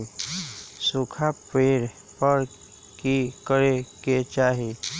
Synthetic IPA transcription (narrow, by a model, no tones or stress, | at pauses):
sukʰapeːɽ | pəɾ | kikəɾeket͡ʃaːɦe